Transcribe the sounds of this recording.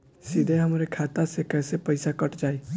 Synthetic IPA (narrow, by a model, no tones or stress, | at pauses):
sɪd̪ʱeɦəmɾekʰaːt̪asekɛːsepəɪsakəʈd͡ʒaːe